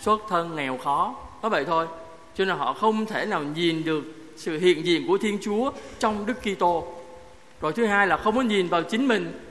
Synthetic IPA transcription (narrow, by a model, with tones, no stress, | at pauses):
swə˦˥t̚t̪ʰə˧nŋɛ˨˩wxɔ˨˦ɔ˨˦və̰˧˨jt̪ʰo˧j | t͡ɕɔ˧naː˨˩ɦɔ̰˧˨xə˧wŋ͡mt̪ʰe˧˩naː˨˩wɲi˨˩nɗɨ˨˩ək̚ | sɨ̰˧˨hḭ˧˨ənzḭ˧˨ənku˧˩ət̪ʰi˧ənt͡ɕu˨˦ət͡ɕɔ˧wŋ͡mɗɨ˦˥kːi˧t̪o˧ | zo˨˩jt̪ʰɨ˨˦ɦaː˧jlaː˨˩xə˧wŋ͡mkɔ˨˦ɲi˨˩nvaː˨˩wt͡ɕï˨˦ŋ̟mï˨˩ŋ̟